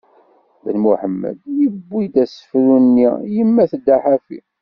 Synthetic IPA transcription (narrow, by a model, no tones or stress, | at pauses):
bənmuħəmːə̰d̪jəbːid̪æsə̥fɾunːijəmːæθd̪ːaħafḭ